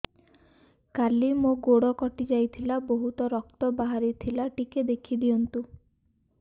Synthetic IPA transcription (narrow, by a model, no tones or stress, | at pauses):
kalimoɡoɽɔkɔʈid͡ʒajt̪ʰilabɔɦut̪ɔɾɔkt̪ɔbaɦaɾit̪ʰilaʈiked̪ekʰid̪iɔnt̪u